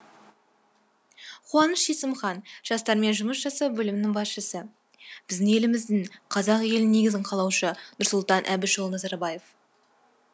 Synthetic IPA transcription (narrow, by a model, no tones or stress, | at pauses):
qʰuwɑnəʃesəmχɑnʒ̥ɑst̪ɑɾme̞nʒʊməsʒɑsɑwbɵlɪmɪnɪŋbɑsʃəsə | b̥ɪzd̪ɪŋe̞lɪmɪzd̪ɪŋqʰɑzɑqje̞lɪnne̞ɡʲɪzɪɴqʰɑlˠɑwʃənʊɾsʊlˠt̪ɑnʔæbɪʒolˠnɑzɑɾbɑje̞f